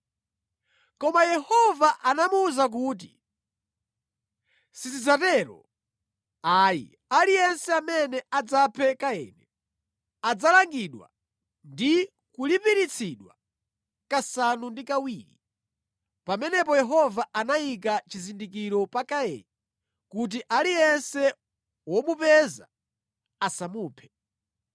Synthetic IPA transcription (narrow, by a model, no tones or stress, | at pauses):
kɔmajɛhɔvaʔanamuːzak̬uːt̬ḭ | sisizatɛɾɔ̰ | aːjḭ | alijɛnsɛamɛnɛad͡zapʰɛkaɛ̰ːnɛ | ad͡zalaŋɡiɗwa̰ | ndi | kulipiɾit͡sʰiɗwa̰ | kasanundikawiːɾḭ | pamɛnɛpɔjɛɦɔvaanaik̬at͡ʃizindik̬iɾɔpakaɛ̰nɛ | kut̬iʔalijɛnsɛ | wɔmupɛza̰ | asamuːpʰɛ̥